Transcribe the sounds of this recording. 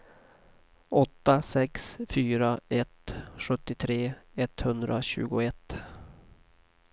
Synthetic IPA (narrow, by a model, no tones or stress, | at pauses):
ɔt̪ːasɛksfyːɾaɛt̪ɧɵt̪ːɪt̪ʰɾeːɛt̪hɵnd̪ɾʔaɕʉ̟̰ːɡʊɛt̪ː